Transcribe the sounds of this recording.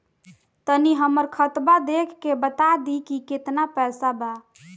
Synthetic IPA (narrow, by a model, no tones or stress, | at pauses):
t̪əniɦəməɾkʰət̪bad̪ekʰːebət̪ad̪ikiket̪napɛsaba